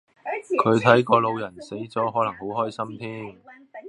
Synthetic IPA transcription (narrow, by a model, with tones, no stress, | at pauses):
kʰɵ˨˧ɥt̪ʰɐ˨˥jkɔː˧lo˨˧wjɐ˨˩nse˨˥jt͡sɔː˨˥ɦɔː˨˥lɐ˨˩ŋho˨˥wɦɔː˥jsɐ˥mt̪ʰiː˥m